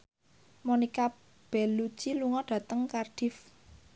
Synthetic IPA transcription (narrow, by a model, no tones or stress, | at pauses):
monika | b̥ɛlu̥t͡ʃiluŋɔɖ̥ä̤t̪əŋkarɖ̥ɪ̤f